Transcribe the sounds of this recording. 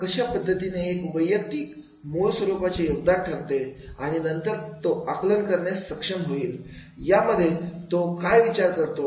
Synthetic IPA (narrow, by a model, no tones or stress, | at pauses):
kəɕapəd̪ʱːət̪ineːkuʋəjːək̚d̪iːk | moɭsʋəɾupat͡ɕajoɡ̚d̪aʈʰəɾt̪eaɽ̃inənt̪əɾt̪oaklənkəɾɳjasːəkʂəmɦoiːl | jaməd̪ʱːjet̪okajʋit͡ɕaɾkəɾt̪o